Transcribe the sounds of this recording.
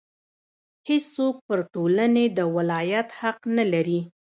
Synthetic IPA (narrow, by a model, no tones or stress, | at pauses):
hessok̚pəɾʈolaned̪əwɪlɑjat̪haqnalaɾi